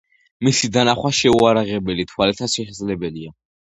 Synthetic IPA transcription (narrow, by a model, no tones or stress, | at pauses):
misid̪anaχwaʃɛuaɾaʁɛbɛlit̪ʰwalɛt̪ʰasʃɛʃɛd̪zlɛbɛlia